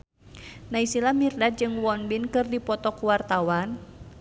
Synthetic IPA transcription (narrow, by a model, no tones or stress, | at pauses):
naisilamirdad̪̚d͡ʒɨŋwɔnbinkɨrdipɔt̪ɔkuwart̪awan